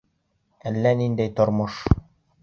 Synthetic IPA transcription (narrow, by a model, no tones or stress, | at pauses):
ælːænind̪æjt̪ŏɾmɤʃ